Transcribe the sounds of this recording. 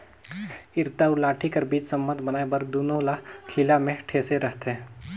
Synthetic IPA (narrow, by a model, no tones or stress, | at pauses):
ɪɾt̪aʊlaːʈʰikɐɾbiːt͡ʃsɐ̃mbə̃nd̪bɐnaːebəɾd̪uːnolakʰilamẽʈʰeːseɾəɦt̪eɦɛ̃ː